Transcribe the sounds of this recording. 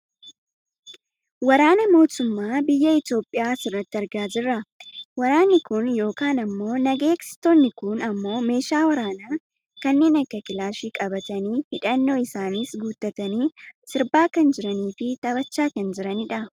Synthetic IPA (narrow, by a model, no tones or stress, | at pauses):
wɐɾaːnɐmo̞ːt̪ʊmːaːbɪjːɐɪt̪jo̞ːpʼːɪjaːsɪrːɐt̪ːɪɐɾɡaːd͡ʒɪrːɐwɐɾaːnːɪkʊnjo̞ːkaːnɐmːo̞ːnɐɡe̞ːksɪ̥t̪oːnːɪkʊnɐmːo̞ːme̞ːʃaːwɐɾaːnaː | kɐnːe̞ːnɐkːɐkʼɪlaːʃiːkʼɐbɐt̪ɐniːhɪᶑɐnːo̞ːɪsaːniːsɡuːt̪ːɐt̪ɐniːsɪɾbaːkɐnd͡ʒɪɾɐniːfɪt̪ɐbɐt͡ʃːaːkɐnd͡ʒɪɾɐnɪᶑɐ